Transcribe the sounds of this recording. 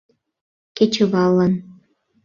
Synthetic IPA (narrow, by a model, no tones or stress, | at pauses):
ket͡ɕə̆βɑlɑn